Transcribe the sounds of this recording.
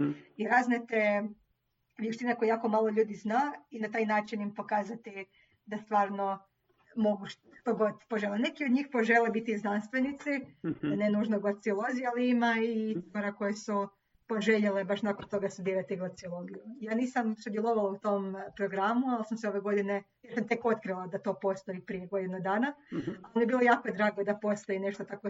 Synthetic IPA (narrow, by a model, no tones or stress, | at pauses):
iɾaznet̪e | ʋjeʃt̪inako̞jejaːko̞maːlˠoʎuːd̪iznainat̪aːjnaːt͡ʃinimpo̞kaːzat̪i | d̪ast̪ʋaːɾno | mo̞ɡuʃt̪oɡod̪poʒelˠene̞kio̞d̪ɲiːxpo̞ʒelebit̪iiznanst̪ʋenit̪sid̪anenuːʒnoɡlat̪siolˠo̞zijalˠiimaiit̪oɾako̞jesu | po̞ʒeʎelebaʃnakont̪o̞ɡasubiɾat̪iɡlat̪siolˠo̞ɡijujaːniːsamsud̪jelˠo̞ʋalˠaut̪o̞mpɾo̞ɡɾamualsamseoʋe̞ɡo̞d̪ine | jeɾsamt̪e̞ko̞t̪kɾilˠad̪at̪o̞ːpo̞st̪o̞ipɾijeɡo̞d̪inud̪aːnaaonijebiːlˠo̞jaːkod̪ɾaːɡod̪apo̞st̪o̞ine̞ʃt̪ot̪ako